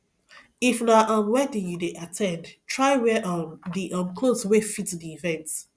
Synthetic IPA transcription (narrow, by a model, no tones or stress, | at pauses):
ifnaʔɔ̃nwɛ̃tĩjudeʔatʰɛ̃ndtʰɹaɪwɛʔɔdiʔɔ̃nkʰloswefitdiivɛ̃nt